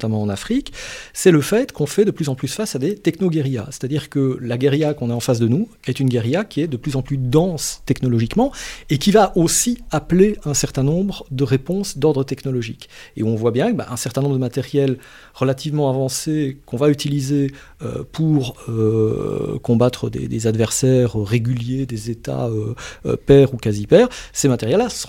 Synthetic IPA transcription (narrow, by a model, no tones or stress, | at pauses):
t̪amɑ̃ːnafχiksɛləfɛt̪kɔ̃fɛd̪əplyzɑ̃plysfasad̪et̪ɛknoɡɛʁja̰sɛ̥t̪ad̪iːʁkəlaɡɛʁjakɔ̃naɑ̃fasd̪ənu | ɛt̪ynɡɛʁjakʲiɛd̪əplyzɑ̃plyd̪ɑ̃st̪ɛknɔlɔʒikmɑ̃ekʲivaʔosiapleɛ̃sɛʁt̪ɛ̃nɔ̃bʁəd̪əʁepɔ̃sd̪ɔʁd̪ʁət̪ɛknɔlɔʒikḛɔ̃vwabjɛ̃kba̰ʔɛ̃sɛʁt̪ɛ̃nɔ̃bʁd̪əmat̪ɛʁjɛl | ʁəlat̪ivmɑ̃avɑ̃sekɔ̃vayt̪ilize | ø̰pʰuʁø | kɔ̃bat̪χəd̪ḛd̪ezad̪vɛʁsɛːʁøʁeɡʲyljed̪ezet̪a̰ø̰pɛːʁukazipɛːʁsemat̪ɛʁjɛlːas